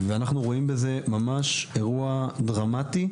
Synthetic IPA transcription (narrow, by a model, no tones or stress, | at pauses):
veanaχnuʁo̞imbeze̞mamaʃeʁuadʁamat̪i